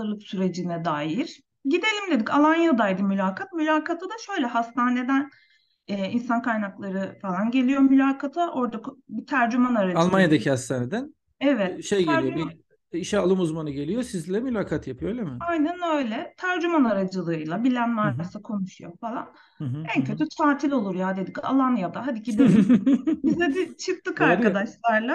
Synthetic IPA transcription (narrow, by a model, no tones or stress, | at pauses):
ɯlˠɯpsyɾe̞d͡ʒinɛd̪aːjiɾ̥ | ɟid̪e̞lʲimd̪ed̪ikʰalˠanjad̪ajd̪ɯmylʲaːkʰat̪̚mylʲaːkʰat̪ʰad̪aʃø̞jlʲɛhast̪ʰaːne̞d̪æn | ɛːinsankajnaklˠaɾɯfalˠanɟe̞lʲijo̞mylʲaːkʰat̪ʰaʔo̞ɾd̪akbit̪ʰæɾd͡ʒymanaɾad͡ʒalˠmanjad̪acʰihast̪ʰaːned̪æn | evɛt̪ʃejɡ̪alɾijoi | iʃɛalˠɯmuzmanɯɟe̞lʲijo̞sizilʲɛmylʲaːkʰat̪japʰɯjojlʲemɪajnænø̞jlʲɛt̪ʰaæɾd͡ʒymanaɾad͡ʒɯlˠɯɯjlˠabilʲænmaɾaɾsakʰo̞nuʃujo̞falˠa̰n | æncʰø̞t̪ʰyt̪ʰaːt̪ʰilʲo̞lˠuɾjad̪e̞d̪ica̰lˠanjad̪aɦad̪iɟid̪ed̪bizɛd̪it͡ʃʰɯk̚t̪ʰɯkaɾkad̪aʃlˠaɾlˠa